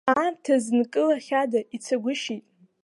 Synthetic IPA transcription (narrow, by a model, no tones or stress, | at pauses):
aːrtʰaznkʼɨlaχʲadait͡sʰaɡʷʊʃitʼ